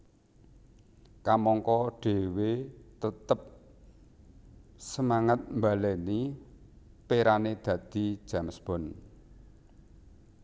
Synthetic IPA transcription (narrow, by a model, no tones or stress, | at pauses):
kamɔŋkɔɖ̥e̤wet̪ət̪əp̚ | səmaŋət̪̚mbalɛni | peɾaned̪̥ä̤d̪̥i̤̥ʒ̥ä̤msb̥ɔn